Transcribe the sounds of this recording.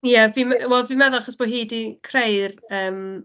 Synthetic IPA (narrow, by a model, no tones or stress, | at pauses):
javimwɛlˠdviːmɛðɔaχɔsb̥ɔɦiːdikʰrejrəːm